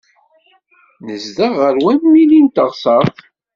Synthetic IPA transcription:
nəzd̪aʁəɾwæminint̪əʁsˤɑθ

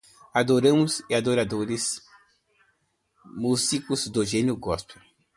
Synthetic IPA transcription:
ad̪oɾɐ̃mʊsɪad̪oɾad̪oɾɪs | muzikʊzd̪oʒenʊɡɔspɪ

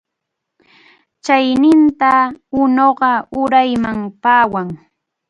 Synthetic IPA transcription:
t͡ʃajnɪnt̪aʊnoɢɑʊɾajmaŋpaːwaŋ

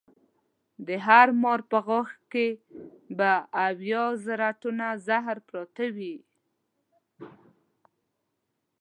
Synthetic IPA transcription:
d̪əɦaɾmɔɾpəɣaxkebaːwjɑzaɾaʈunazaɦɾpɾɑt̪awi

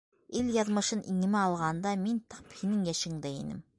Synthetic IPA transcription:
ɪlʲjɑzmɤʃɨnʔḭŋɪmæɑlˠʁɑnd̪ɑmint̪ʰɑ̥phʰʲinɪŋjæʃɪŋd̪æjinɪ̰m

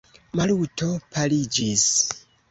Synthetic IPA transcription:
malutʰopʰalid͡ʒis

